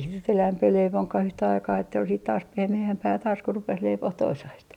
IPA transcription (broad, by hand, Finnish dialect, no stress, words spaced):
sit nyt elæmpi leiʋoŋkɑh yhtæ ɑikɑː etːæ ol siːt tɑːs pehmeæmpæː tɑːs ku rupes leipoh toisɑist